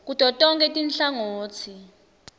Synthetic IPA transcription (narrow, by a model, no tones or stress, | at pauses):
k̬utʼɔtʼɔŋkʼɛtʼinɬaŋoːtʰi